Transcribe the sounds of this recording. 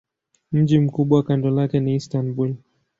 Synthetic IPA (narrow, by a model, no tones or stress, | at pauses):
m̩d͡ʒim̩kuɓwawakandɔlakɛnistanbul